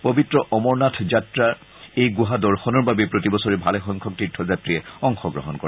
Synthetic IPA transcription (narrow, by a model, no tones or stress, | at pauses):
pobitɹɔʔɔmɔɹnatʰzatɹa | ejɡoɦadɔɹxɔnɔɹbabɛpɹotibɔsɔɹibʱalɛxɔŋkʰɔk̚titʰːɔzatɹiɛɔŋxɔɡɹɔɦɔnkɔɹ